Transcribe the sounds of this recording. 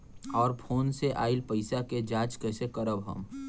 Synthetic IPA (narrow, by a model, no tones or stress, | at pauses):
ɔːɾpʰoːnseʔaːɪilpəɪsaked͡ʒaːt͡ʃkɛsekəɾəbɦə̰m